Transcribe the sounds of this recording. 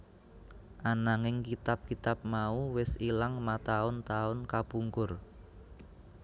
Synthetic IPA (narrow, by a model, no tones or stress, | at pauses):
ʔanaŋɪŋkit̪ap̚kit̪ap̚mauwɪsilaŋmat̪aʊnt̪aʊnkapuŋkʊr